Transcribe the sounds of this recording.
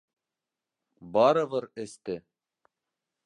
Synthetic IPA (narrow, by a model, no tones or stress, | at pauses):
bɑɾɤ̆βɤɾɘ̆st̪ɘ